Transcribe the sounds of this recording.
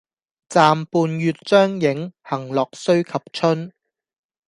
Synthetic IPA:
t͡saː˨˧mpuː˨njyː˨t̚t͡ʃœː˥ŋjɪ˨˥ŋhɐ˨˩ŋlɔː˨k̚sɵ˥ɥkʰɐ˨p̚t͡ʃʰɵ˥n

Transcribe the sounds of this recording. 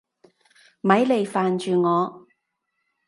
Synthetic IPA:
mɐ˨˥jle˨˧jfaː˨nt͡ʃyː˨ŋɔː˨˧

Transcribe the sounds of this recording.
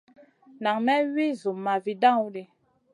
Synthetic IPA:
na˨ŋmɛ˦wi˦zu˨mːa˨vi˨dã˦˨u˦le˨

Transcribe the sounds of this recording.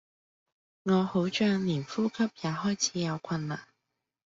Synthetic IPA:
ŋɔː˨˧ho˨˥wt͡ʃœː˧ŋliː˨˩nfuː˥kʰɐ˥p̚jaː˨˧ɦɔː˥jt͡sʰiː˨˥jɐ˨˧wkʷʰɐ˧nla̰ː˨˩n

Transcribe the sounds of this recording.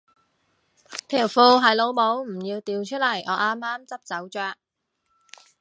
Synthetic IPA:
t̪ʰi˨˩wfuː˧ɦɐ˨˧jlo˨˧wmo˨˥wm̩˨˩jiː˧wt̪iː˨˧wt͡ʃʰɵ˥lɐ˨˩jʔɔː˨˧˥ʔaː˥mːaː˥mt͡sɐ˥p̚t͡sɐ˨˥wt͡ʃœː˧

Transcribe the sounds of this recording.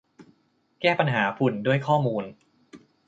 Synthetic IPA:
kɛː˥˩pa˧nɦaː˩˦pʰu˨˩ndu˥˩əjkʰɔː˥˩muː˧n

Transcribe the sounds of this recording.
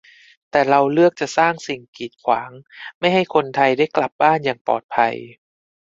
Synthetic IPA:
t̪ɛː˨˩ɾa˧wlɯ˥˩ək̚t͡ɕa˨˩ʔsaː˥˩ŋsi˨˩ŋkiː˨˩t̪̚kʰwa̰ː˩˦ŋma˥˩jɦha˥˩jkʰo˧nt̪ʰa˧jda˥˩jkla˨˩p̚baː˥˩njaː˨˩ŋpɔ̰ː˨˩t̪̚pʰa̰˧j

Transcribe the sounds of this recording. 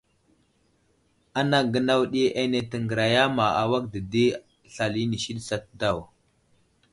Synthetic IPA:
a˦na˦ɡə˦na˦wɗi˦ʔe˦ne˨tə˨ŋɡə˨ɾa˨ja˦ma˨a˨wa˦kdə˨di˦ | ɬa˨li˦ni˨ʃi˦ɗsa˦t̚da˦˨w

